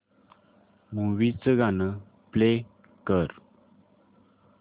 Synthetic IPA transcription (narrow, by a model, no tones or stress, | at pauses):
muʋit͡səɡʱanə | ple | kəɾ